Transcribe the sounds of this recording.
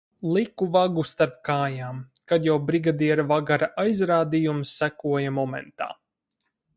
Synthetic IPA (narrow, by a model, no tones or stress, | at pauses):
lˠikuvaɡust̪aɾp̚kaːjaːm | kad̪jawbɾiɡad̪iɛɾavaɡaɾaʔajzɾaːd̪ijumsːækuɔjamɔmɛ̰nt̪a̰ː